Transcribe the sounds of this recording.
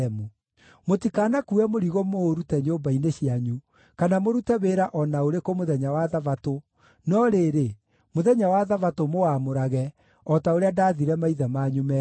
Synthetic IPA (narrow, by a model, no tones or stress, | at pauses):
mu | motikanakuɛmoɾiɣomoɾutɛɲoːbaineɕiaɲu | kanamoɾutɛβeːɾaʔɔnaoɾekomoðɛɲawaðavato | nɔɾeɾe | moðɛɲawaðavatomoamoɾaɣɛ | ɔtaoɾeadaːðiɾɛmaiðamaɲumɛ